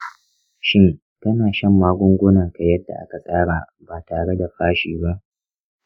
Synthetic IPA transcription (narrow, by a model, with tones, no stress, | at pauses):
ʃɪ˦ŋ | tɐ˦naː˨ʃɐ˦mːaː˦ɡʷʊ˦ŋɡʷʊ˦naː˨ka˨jɐ˦da̰˨ʔa̰˦ka˨sʼaː˦ɽaː˨ | baː˨taː˨ɽe˦da˨ɸaː˦ʃiː˨ba˦ʔ